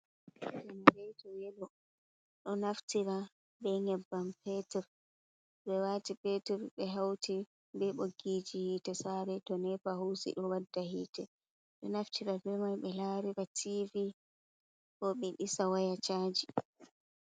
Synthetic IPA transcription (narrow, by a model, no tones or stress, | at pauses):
ɗɛmaɾɛjtɔjɛlɔ | ɗɔnaftiɾa | bɛŋɛbːampɛtɛɾ | ɓɛwatipɛtɛɾɓɛɦawtʰi | bɛɓoɡid͡ʒihiːtɛsaɾɛtɔnɛfahuːsḭɗɔwadːahiːtɛ | ɗɔnaftʰiɾabɛmajɓɛlaːɾiɾatʰivi | kɔɓɛɗisawajat͡ʃaːd͡ʒi